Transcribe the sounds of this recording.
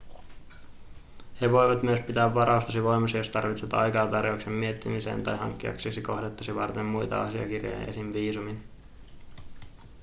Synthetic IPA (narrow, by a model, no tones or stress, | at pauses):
heʋo̞jʋɑt̪myøspit̪æːʋːɑɾɑust̪ɑsiʋo̞jmɑsijo̞st̪ɑrʋit̪set̪ɑ̰jkɑːt̪ɑrjouksemːie̞t̪ːimisḛːnt̪ɑjɦɑ̰ŋkːiɑ̰kseksiko̞hdet̪ːɑ̥siʋɑrt̪e̞mːujt̪ɑ̰ɑsiɑ̰kirjo̰jɑḛsinʋiːsumin